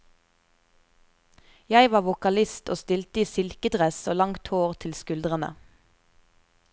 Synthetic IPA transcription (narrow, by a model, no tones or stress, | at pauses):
jæɪʋɑːʋʊkɑlɪst̪ʰo̰ːst̪ɪlt̪əiːsɪlkəd̪ʁɛsoːlɑŋt̪hoːʁt̪ʰɪlskʉld̪ʁənə̰